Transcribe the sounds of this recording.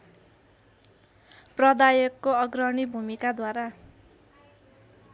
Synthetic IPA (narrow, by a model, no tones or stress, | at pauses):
prʌd̪ajʌkːoʌɡrʌɳibʱumikad̪waɾa